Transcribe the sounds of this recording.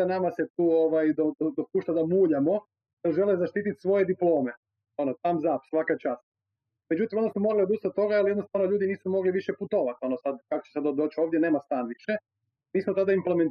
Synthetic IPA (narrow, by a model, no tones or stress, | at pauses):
anamaset̪uːoʋajd̪od̪od̪opuːʃt̪ad̪amuːʎamo̞ | d̪oʒe̞lezaʃt̪iːt̪it̪sʋo̞je̞d̪iplˠo̞ːme | o̞not̪amzaːpsʋakat͡ʃast̪̚ | me̞d͡ʑut̪imo̞nosumo̞ɾaliod̪ust̪at̪o̞ɡaalie̞d̪nost̪aʋnoʎuːd̪iniːsumo̞ɡliʋiʃeput̪oʋat̪o̞nosad̪kako̥t͡ɕesad̪od̪oːt͡ɕoʋd̪jene̞ːmast̪aːnʋiʃe | miːsmot̪ad̪aimplement̪